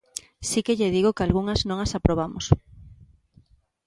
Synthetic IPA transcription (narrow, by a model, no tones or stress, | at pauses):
sikeʎeðiɣokalɣuŋɐznõŋasapɾoβ̞amʊ̰s